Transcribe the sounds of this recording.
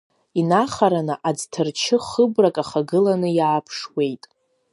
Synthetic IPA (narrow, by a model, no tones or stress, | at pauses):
inaχaɾanɨʔad͡ztʰɨrt͡ʃʰɪχəbrakʼaχaɡɨlanɨjaːpʰʂwe̞jtʼ